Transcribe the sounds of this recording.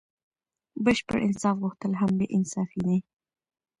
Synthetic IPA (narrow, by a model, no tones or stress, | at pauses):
bəʃpə̰ɽʔɪ̰nsɑfɣuxt̪əlɦambeʔɪnsɑfine